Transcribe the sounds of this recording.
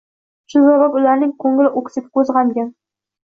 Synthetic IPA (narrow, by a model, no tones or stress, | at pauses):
t͡ʃʰʊzɒbapʊlaɾnɪŋkʰɵŋlɪʔokʲsɪp̚kɵzʁaŋɡʲan